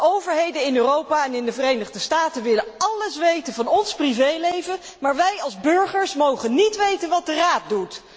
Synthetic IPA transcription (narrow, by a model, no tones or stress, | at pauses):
ʔowvəɹɦejdənɪnøːrowpaːɛnɪndəvərejnəχdəstaːtənʋɪləɑləsʋejtənvɑnɔnsprivejlejvə | maːɹʋɛjɑlˠzbɵɹχəɹsmowχənːitʋejtənʋɑt̚dəraːt̚dut